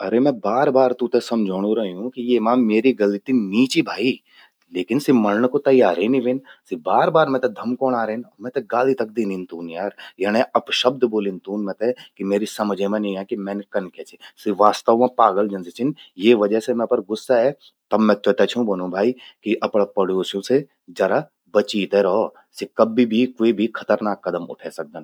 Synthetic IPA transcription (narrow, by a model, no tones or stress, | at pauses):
ɐɾemɛ̃baːɾbaːɾt̪ũt̪esɐmd͡ʒʱoːɽ̃ũɾɐɦiũkijemãːmeːɾiɡɐlit̪iniːt͡ʃibʱaːi | leːkɪnsimɐlɳkot̪ɐjaːɾeniʋɪ̃nsibaːɾbaːɾmɛ̃t̪ɛd̪ʱɐmkoːnaːɾɐɪnɔːmɛ̃t̪ɛɡaːlit̪ɐk̚d̪iːnĩnt̪uːnjaːɾjɐñẽɐpʃəb̚d̪ʱboːlint̪uːnmɛ̃t̪ɛkimeːɾisɐməd͡ʒʱemẽnĩɛ̃kimɛ̃ːnekɐnkeːt͡ʃʰisiʋaːst̪əʋmẽpaːɡəld͡ʒɐnset͡ʃʰɪnjeːʋɐd͡ʒəsemɛ̃pəɾɡʊsːaɦɛ | t̪ɐbːɛ̃t͡ʃot̪et͡ʃʰũbɐnũbʱaːikiʔɐpɽepɐɖjoːsjõse | d͡ʒɐɾa | bɐt͡ʃiːt̪eɾɔo | sikɐbːibʱikoebʱikʰɐt̪əɾnaːkːɐd̪əmʊ̰ʈʰɛsɐk̚d̪ən